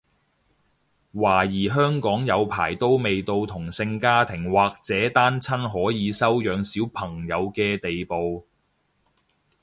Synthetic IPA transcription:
waː˨˩jiː˨˩ɦœː˥ŋkɔː˨˥ŋjɐ˨˧wpʰa̰ː˨˩jt̪o˥wme˨jt̪o˧wt̪ʰʊ˨˩ŋsɪ˧ŋkaː˥t̪ʰɪ˨˩ŋwaː˨k̚t͡sɛː˨˥t̪aː˥nt͡sʰɐ˥nɦɔː˨˥jiː˨˧sɐ˥wjœː˨˧ŋsiː˨˥wpʰɐ˨˩ŋjɐ˨˧wkɛː˧t̪e˨jpo˨w

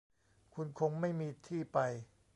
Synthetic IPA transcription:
kʰu˧nkʰo˧ŋma˥˩jmiː˧t̪ʰiː˥˩pa˧j

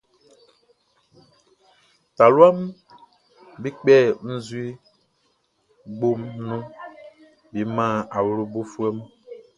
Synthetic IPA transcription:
ta˨lu˦a˦m | bi˦k͡pɛ˦˨n̩˦zwi˦ | ɡ͡bo˦mnũ˦ | bi˨˦mã˦˨a˨wu˨˦ɾu˦bo˦fu˦ɛ˦m˦

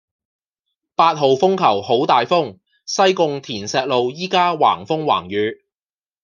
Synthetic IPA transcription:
paː˧t̚ɦo˨wfʊ˥ŋkʰɐ˨˩who˨˥wt̪aː˨jfʊ˥ŋ | sɐ˥jkʊ˧ŋt̪ʰiː˨˩nsɛː˨˧k̚lo˨wjiː˥kaː˥wa̰ː˨˩ŋfʊ˥ŋwa̰ː˨˩ŋjyː˨˧

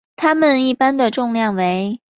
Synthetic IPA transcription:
t̪ʰa˥mə˨ni˥˩pa˥nd̪ə˨ʈ͡ʂʊ˥˧ŋljɑ˥˩ŋwe˧˥ɪ

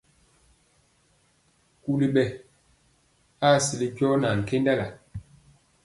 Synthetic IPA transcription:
ku˦li˦ɓɛ˨ | a˦˨si˨li˦ɟɔ˦na˨ŋ̩˨ke˦nda˦la˨

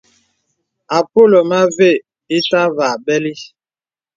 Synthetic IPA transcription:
a˨po˦˨lo˨ma˦ve˦˨ | i˦sa˦va˨bɛ˦li˦

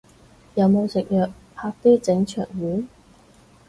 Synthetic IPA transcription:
jɐ˨˧wmo˨˧wsɪ˨k̚jœː˨k̚ | pʰaː˧k̚t̪yː˥t͡sɪ˨˥ŋt͡ʃʰœ̰ː˨˩ŋjyː˨˥n

